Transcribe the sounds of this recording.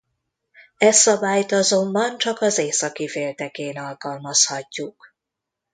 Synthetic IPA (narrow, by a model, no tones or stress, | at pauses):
ɛsɒbaːjt̪ɒzo̞mbɒnt͡ʃɒkɒzeːsɒkifeːlt̪ɛkeːnɒlkɒlmɒshɒcːuk